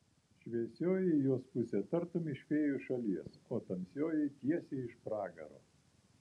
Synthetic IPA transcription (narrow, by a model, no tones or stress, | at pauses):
ʃʲʋʲiɛsʲoːjɛɪjoːspʊsʲɛːt̪ɐɾt̪oːmʲɪʃʲkʲeːjuʃɐlʲiɛsoːt̪ɐmʲsʲoːjɛɪt̪ʲiɛsʲeːɪʃpɾɑːɡɐ̰ɾo̰ː